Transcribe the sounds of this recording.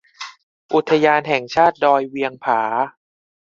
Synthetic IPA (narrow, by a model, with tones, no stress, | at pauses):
ʔu˨˩t̪ʰːa˧jaː˧nɦɛ˨˩ŋt͡ɕʰaː˥˩t̪̚dɔː˧jwi˧əŋpʰaː˩˦